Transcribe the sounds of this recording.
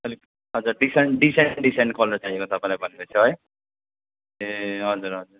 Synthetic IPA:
ʌli | ɦʌd͡zuɾɖiseɳɖiseɳɖiseɳʈ̚kolnʌt͡saɦiekot̪ʌpãĩlabʱʌnekot͡sʰʌɦʌj | eɦʌd͡zuɾɦʌd͡zuɾ

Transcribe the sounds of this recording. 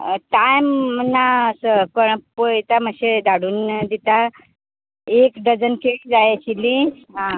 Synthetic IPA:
ʈajmənasəpəɳpojt̪aməɕed̪aɽuːnd̪it̪a | ekɖəd͡zənkeɭid͡zajɕili | ɦã

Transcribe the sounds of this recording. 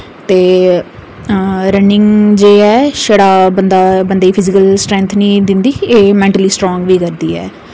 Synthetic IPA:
t̪eː | ɾənɪŋɡd͡ʒeːɛːʃəɽaːbənd̪aːbənd̪eːpʰɪzɪkəlsʈɾɛ̃ːnt̪ʰnĩːd̪ɪnd̪iːeːmɛ̃ːɳʈəliːsʈɾoːŋɡʋiːkəɾd̪iːɛ̰ː

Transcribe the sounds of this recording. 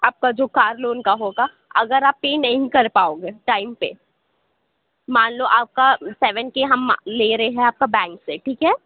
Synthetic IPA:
aːp̚kad͡ʒoːkaːɾloːnkaɦoːɡa | ɐ̰ɡəɾaːpːeːnɐɦĩkɐɾpaːoːɡeːʈaːɪmpḛ | maːnloʔaːp̚kasɛʋə̃nkeɦɐmleːɾɐɦeɦɛ̃aːp̚kabɛ̃ːŋkseʈʰiːkɦɛː

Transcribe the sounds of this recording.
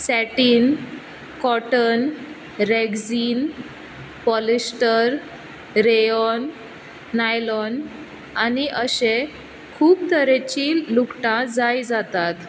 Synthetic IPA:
sɛʈiːn | kɔʈən | ɾeɡd͡ziːn | pɔlisʈəɾ | ɾeɔnː | ajlɔn | aniʔəɕẽ | kʰuːpt̪əɾet͡ɕiːlukʈãd͡zajd͡zat̪at̪

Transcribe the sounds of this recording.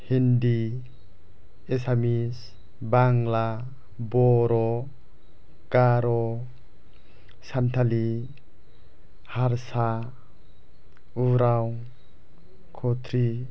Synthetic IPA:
hindi | esamis | baŋla | bɔɾɔ | kaɾɔ | santʰali | haɾsa | uɾaw | kʰɔtʰɾi

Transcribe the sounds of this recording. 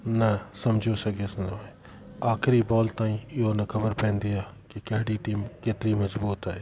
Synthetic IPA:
nɐsɐmd͡ʒʱosɐɡʱesɐ̃noẽ | aːxɪɾibɔːlt̪aːĩɪɦonɐkʰɐbəɾpɛ̃ːnd̪iaː | kekɐɦɽiʈiːmkeːt̪ɪɾimɐzbuːt̪aːɦeː

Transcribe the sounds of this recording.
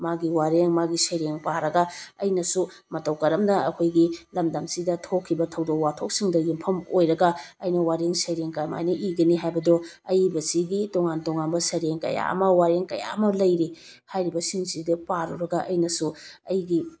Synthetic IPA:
maɡiwaɾeŋmaɡisɐjɾeŋpaɾɐɡɐɐjnɐsu | mɐtɐwkɐɾɐmnɐɐkʰojɡilɐmdɐmsidɐtʰokʰːibɐtʰɐwdokwatʰok̚siŋdɐjimpʰɐmojɾɐɡɐɐjnɐwaɾeŋsɐjɾeŋkama̰jnɐʔiɡɐniɦajbɐdo | ɐjbɐsiɡitoŋantoŋanbɐsɐjɾeŋkɐ̰ja̰ɐ̰mɐwaɾeŋkɐ̰ja̰ɐmɐlɐjɾi | hajɾibɐsiŋsidɐpaɾṵɾɐɡɐʔɐjnɐsuɐjɡi

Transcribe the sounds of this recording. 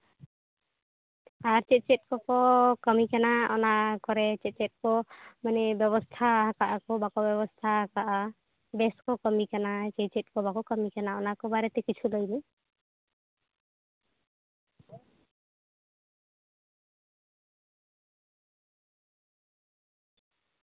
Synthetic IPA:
aɾt͡ʃɛt̪̚t͡ʃɛt̪̚kɔkɔkɔmikanaɔnakɔɾɛt͡ʃɛt̪̚t͡ʃɛt̪̚kɔmanɛbjɔβɔst̪ʰaɦakaʔakɔbakɔbjɛbɔst̪ʰaɦakaʔa | bɛskɔkɔmikanat͡ʃɛjt͡ʃɛt̪̚kɔbakɔkɔmikanaɔnakɔbaɾɛt̪ɛkit͡ʃʰulɔjli

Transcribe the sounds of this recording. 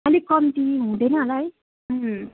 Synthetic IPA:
ʌlikʌmit̪iɦũd̪ʌjnʌɦʌlaj | ɦ

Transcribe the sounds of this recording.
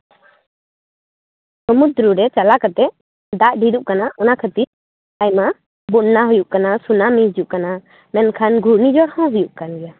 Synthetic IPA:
səmud̪ɾuɾɛt͡ʃalakət̪ɛ | d̪aʔɖiɾuʔkanaʔɔnakʰət̪iɾ | ajma | buɗnaɦujuʔkanasunamĩd͡ʒuʔkana | mɛnkʰanɡʱuɾnid͡ʒɔɾhɔ̃ɦujuʔkanɡɛja

